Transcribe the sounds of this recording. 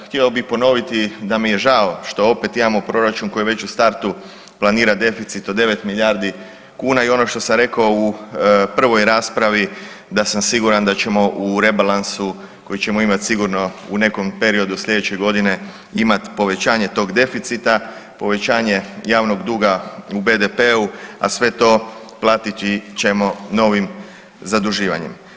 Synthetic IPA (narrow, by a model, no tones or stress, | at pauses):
xt̪iɛo̞bixpo̞no̞ʋit̪id̪amije̞ʒao̞ʃt̪o̞o̞pe̞t̪imamo̞pɾo̞ɾat͡ʃunko̞iʋe̞t͡ʃust̪aɾt̪u | plˠaniːɾad̪e̞fit̪sit̪o̞d̪e̞ʋe̞t̪miʎʲaɾd̪i | kuːnaio̞no̞ʃt̪o̞samɾe̞kaoupr̩ʋo̞jɾaːspɾaʋi | d̪asamsiɡuɾand̪at͡ʃe̞mo̞ʔuɾe̞balansu | ko̞jit͡ɕe̞mo̞imat̪siɡuɾno̞une̞ko̞mpe̞ɾio̞d̪usʎʲe̞d̪et͡ɕeɡo̞d̪ine̞ | imat̪po̞ʋe̞t͡ɕaːɲe̞t̪o̞ːɡd̪e̞fit̪sit̪a | po̞ʋe̞t͡ɕaːɲe̞jaːʋno̞ɡd̪uːɡaube̞ːd̪e̞pe̞ua̰sʋe̞t̪o̞ | plˠaːt̪it̪it͡ʃe̞mo̞no̞ʋim | zad̪uʒiːʋa̰ɲḛm